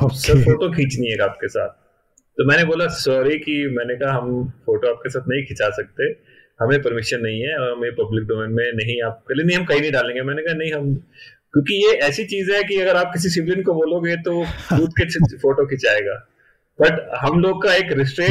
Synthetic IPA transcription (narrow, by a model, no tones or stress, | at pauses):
osɐɾfoːʈokʰĩːt͡ʃnĩɛːɡaːp̚kesa̰ːt̪̚ | t̪omɛ̃ːneboːlasɔːɾikimɛ̃ːnekɐɦaɦɐmfoːʈoaːp̚kesaːt̪̚nɐɦĩkʰɪt͡ʃaːsɐk̚t̪eɛ | hɐmẽpɐɾmɪʃənːɐɦĩɦɛɔːɾɦɐmepɐblɪk̚ɖoːmẽːnmẽnɐɦĩaːp̚kelienɐɦĩɦɐmkɐɦinɐɦĩɖaːlẽːŋɡemɛ̃ːnekɐɦanɐɦĩɦɐmkjõːkijeɛːsit͡ʃiːzɦɛkiɐɡəɾaːp̚kɪs̬is̬ɪʋlɪnkoboːloɡet̪oobuːt̪kefoːʈokʰɪt͡ʃaːeːɡaː | b̥ɐʈɦɐmloːɡ̚kaeːkɾɪsʈɾeː